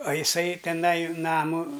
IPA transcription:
ɐ ɪˈsɐɪ tʲɛˈnɐɪ ˈnɑːmʊ

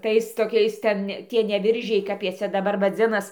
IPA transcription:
ˈtɐɪs toːˈkʲɛɪs ˈtʲɛn ˈtʲiɛ nʲɛ ˈʋʲɪrʲʒʲɛɪ kɐp ˈjiɛ ˈt͡sʲɛ dɐˈbɐr ʋɐˈd͡zʲɪnɐs

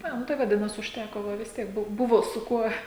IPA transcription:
ˈɐ ˈnʊ tɐɪ ʋɐˈdʲɪnɐs ʊʃʲˈtʲækoː ˈʋɐ ʋʲɪs ˈtʲiɛk ˈbʊ ˈbʊʋoː sʊ ˈkuɔ

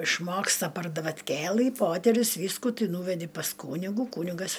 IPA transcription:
ɪʃˈmoːkstɐ pɐr dɐʋɐtʲˈkʲeːlˠɨ ˈpoːtʲɛrʲʊs ˈʋʲiːskuː ˈtɨ ˈnuːʋʲɛdʲɪ pɐs ˈkuːnʲɪɡʊ ˈkuːnʲɪɡɐs

